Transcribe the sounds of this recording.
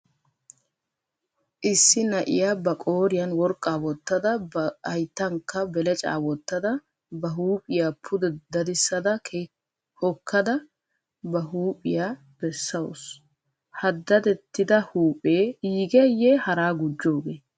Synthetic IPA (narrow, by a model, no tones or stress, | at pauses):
ʔɪsːɪnɐʔɪ̰jaːbɐkʼoːɾɪjɐnwɔɾkʼːaːwɔt̪ːɐd̪ɐɐjt̪ːɐŋkːɐbɛlɛt͡ʃʼa̰ːwɔt̪ːɐd̪ɐ | bɐɦuːpʼɪjaːpʰʊd̪ɛd̪ɐd̪ɪsːɐd̪ɐkʰe | hɔkʰːɐd̪ɐ | bɐɦuːpʼɪjaː | b̥ɛsːɐwɔ̰s | hɐd̪ːɐd̪ɛt̪ːɪd̪ɐhuːpʼeːɡɛjehɐɾaːɡʊd͡ʒːo̞ːɡeː